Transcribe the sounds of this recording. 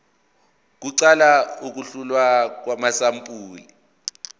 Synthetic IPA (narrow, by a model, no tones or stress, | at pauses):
k̬uǀalauk̬uɬulwak̬wamasampʼuːli